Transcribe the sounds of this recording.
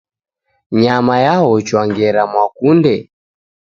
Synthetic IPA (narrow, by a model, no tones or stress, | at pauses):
ɲamajaɦɔt͡ʃwaŋɡɛɾamwakundɛ